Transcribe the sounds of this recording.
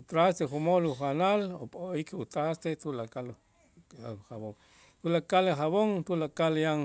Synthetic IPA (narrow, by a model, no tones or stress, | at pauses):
ut̪ɾast̪exumoluxanalopʼoikʰut̪ɾast̪et̪ulakal | haβoŋ | t̪ulakalexaβoŋt̪ulakaljaŋ